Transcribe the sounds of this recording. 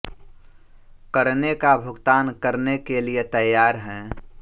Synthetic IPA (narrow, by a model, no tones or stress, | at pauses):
kəɾnekabʱʊɡt̪aːnkəɾnekeliet̪əjaːɾɦɛ̃ː